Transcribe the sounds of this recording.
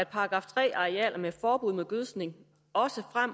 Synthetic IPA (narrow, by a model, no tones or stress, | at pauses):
d̥pʰɑ̈ɡ̥ʁɑ̈ːft͡sʰʁɛ̰ːɑ̈ʁeɛ̰ːlʔɐmefɒːb̥uð̞̰ˠmeðˠɡ̥øðˠsne̝ŋ | ɒ̽səfʁam̰